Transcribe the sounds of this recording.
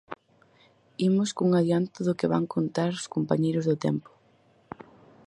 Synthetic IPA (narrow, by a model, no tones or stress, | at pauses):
imʊskuŋaðjant̪ʊðʊkɪβa̰ŋkʰont̪aɾʊskompa̰ɲejɾʊzðʊt̪ɛ̰mpʊ̥